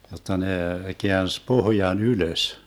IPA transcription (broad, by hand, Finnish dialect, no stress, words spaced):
jotːɑ ne keæns pohjɑn yløs